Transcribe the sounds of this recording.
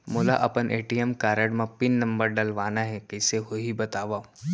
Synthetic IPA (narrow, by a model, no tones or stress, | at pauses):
moːla̰ʔɐpənʔeːʈijəmkaːɾəɽmãpɪnːɐ̃mbəɾɖɐlʋaːnaɦɛkɐɪseɦoɦibɐt̪aːʋaː